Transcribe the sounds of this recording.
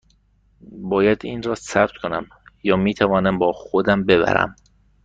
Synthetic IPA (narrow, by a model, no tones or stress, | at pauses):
bɒːjæd̪iːnrɒːsæb̥t̪kʰonæ̰m | jɒːmiːt̪ʰævɒːnæmbɒːxod̪æmbe̞βæ̰ɾæ̰m